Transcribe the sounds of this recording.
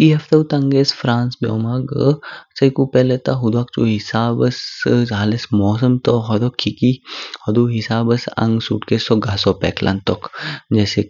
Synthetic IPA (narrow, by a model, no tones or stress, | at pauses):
iɦɐft̪ɐut̪ɐŋɡesfɾaːnsbo̰ːmaɡsɐjkupɛlet̪aɦud̪uaːk̚t͡ʃuɦisaːbəsɦaːlesmɔːsəmt̪oɦɔd̪okʰikihɔd̪uːɦisaːbɐsɐ̰̃ŋɡsṵːʈkesɔɡaːsɔːpɛ̰ːklʔa̰nt̪ɔkd͡ʒɛːse